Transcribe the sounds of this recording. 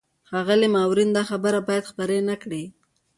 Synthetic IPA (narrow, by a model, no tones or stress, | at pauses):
xɑɣəlimɑwɾind̪ɑxabəɾabɑjad̪xpəɾenakɽi